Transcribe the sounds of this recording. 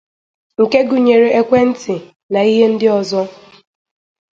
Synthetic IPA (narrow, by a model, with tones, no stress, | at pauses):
ŋ̩˨ke˦ɡu˨ɲe˨ɾe˨ʔe˦kʷe˦n̩˦tɪ˨ | na˨i˦ɦe˦n̩˦dɪ˦ɔ˨zɔ˦